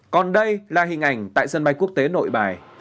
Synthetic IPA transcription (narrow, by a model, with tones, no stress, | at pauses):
kɔ˨˩nɗə˧jlaː˨˩ɦï˨˩ŋ̟ʔa˨˩jŋ̟t̪a̰ː˧˨jsə˧nɓa˧jku˦˥ək̚t̪e˨˦no̰˧˨jɓaː˨˩j